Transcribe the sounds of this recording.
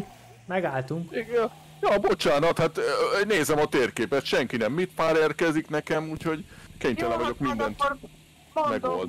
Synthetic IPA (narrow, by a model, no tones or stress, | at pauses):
mɛɡaːlt̪uŋk | jɒbot͡ʃaːnɒt̪hat̪neːzɛmɒt̪eːrkeːpɛt̪ʃɛŋkinɛmːit̪paːɾeːrkɛziknɛkɛmuːcho̞ɟkeɲt̪ɛlɛvɒɟo̞kmind̪ɛŋki | mɛɡold̪